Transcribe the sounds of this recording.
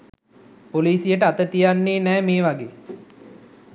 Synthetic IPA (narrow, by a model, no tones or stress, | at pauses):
poliːsijəʈəat̪ət̪ijanːeːnɛːmeːʋaɡeː